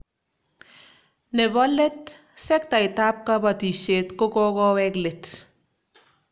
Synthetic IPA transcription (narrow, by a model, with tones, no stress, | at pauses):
ne˨bɔ˦le˦t | sɛ˦k̚ta˨ita˦p̚ka˦ba˨ti˨ʃe˨tko˦kɔ˦kɔwɛklet